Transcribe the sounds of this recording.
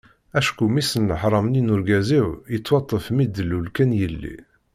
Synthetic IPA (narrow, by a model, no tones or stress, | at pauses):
æʃkumisənːəħɾˤɑmninʊɾɡæziwjət͡sːwɑt̪ˤːəfmid̪əlːulkænjəlːḭ